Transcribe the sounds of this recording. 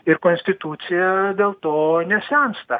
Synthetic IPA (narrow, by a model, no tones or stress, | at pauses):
ɪɾkoːnʲsʲt̪ʲɪt̪ut̪sʲɪjɛd̪ʲeːlˠt̪oːnʲɛsʲɛnst̪ɐ